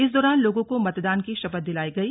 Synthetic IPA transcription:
ɪs̬d̪ɔːɾaːnloːɡõkomɐt̪d̪aːnkiʃɐbət̪̚d̪ɪlaːiɡɐiː

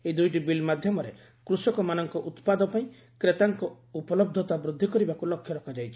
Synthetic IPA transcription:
eid̪ujʈibilmad̪ʱjɔmɔɾe | kɾusɔkɔmanɔŋkɔʔut̪pad̪ɔpaĩ | kɾet̪aŋkɔ | upɔlɔb̚d̪ʱɔt̪abɾud̪ʱːikɔɾibakulɔkʰːjɔɾɔkʰad͡ʒajt͡ʃʰi̥

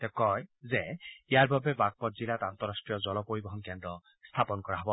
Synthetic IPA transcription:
t̪ɛkɔjzeijaɹbʱabɛbaɡ̚pɔtzilat̪ant̪ɔɾasʈɹijɔzɔlɔpoɹibɔɦɔnkɛndɾɔ | st̪ʰapɔnkɔɹaɦɔbɔ

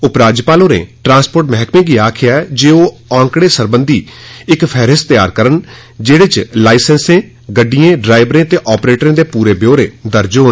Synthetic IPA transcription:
ʊpɾaːd͡ʒpaːlõːnḛ̃ːʈɾãːspoːɾʈmɛɦkmẽːɡiːaːkʰɪjaːɛd͡ʒeːoː | ãːŋkɽeːsəɾbənd̪iːɪkpʰɛːɾɪst̪ɪjaːɾkəɾən | d͡ʒeːɽeːt͡ʃlaːɪsənsẽː | ɡəɖijẽːɖɾaːɪbɾẽːət̪eːʔɔːpɾeːʈɾẽːd̪eːpuːɾeːbjoːɾḛ̃ːd̪əɾd͡ʒoː

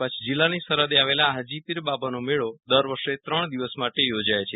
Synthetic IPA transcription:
ət͡ʃʰd͡ʒilːanisəɾəd̪eaʋelaɦəd͡ʒipiɾbabʱanomeɭod̪əɾʋəɾʃet̪ɾəɳ̃d̪iʋəsmaʈejod͡ʒajt͡ʃʰe

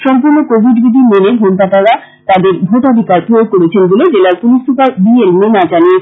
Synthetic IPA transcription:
ʃɔmpuɾnokobʱiɖbid̪ʱimenebʱonpat̪aɾa | t̪ad̪eɾbʱot̪ad̪ʱikaɾpɾuoɡ̚koɾet͡ɕʰenboled͡ʑelaɾpulisupaɾbielmenad͡ʑanie

